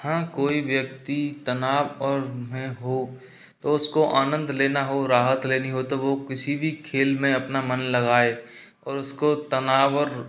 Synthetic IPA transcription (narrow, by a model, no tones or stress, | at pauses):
hãkoːiʋjək̚t̪it̪ɐnaːʋɔːɾmẽɦo | t̪oʊskoʔaːnə̃nd̪ʱleːnaɦoɾaːɦət̪leːniɦot̪oʋokɪsibʱikʰeːlmẽɐpnamɐnlɐɡaːe | ɔːɾʊskot̪ɐnaːʋɔɾ